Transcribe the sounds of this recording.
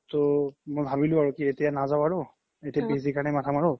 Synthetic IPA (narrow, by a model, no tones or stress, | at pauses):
tomojbʱabilʊ̃aɹukietijanazaʊaɹʊ | etijabezikaɹnɛmatʰamaɹʊ